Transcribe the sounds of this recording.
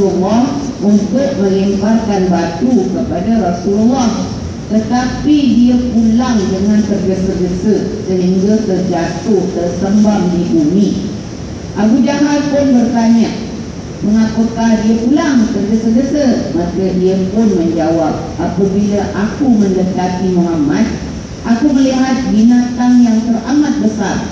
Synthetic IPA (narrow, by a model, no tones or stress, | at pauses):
ulːɔh | məŋkʊt̪̚mə̃limparkanbat̪ukəpadaɾasululːɔh | t̪ət̪apidiəpulaŋdəŋankərɡəsəɡəsəsəɦiŋɡat̪ərd͡ʒat̪ʊht̪ərsəmbamdibuni | ʔakud͡ʒaɦanpʊnbərt̪aɲaʔ | məŋapəkahdiəpulaŋk̪ərɡəsəɡəsəmãkədiəpʊnməɲd͡ʒawap̚ʔapəbilaʔakumə̃ndət̪at̪imoɦamãt̪̚ | ʔakuməliɦat̪̚ɡinat̪anjaŋt̪əramat̪̚bəsar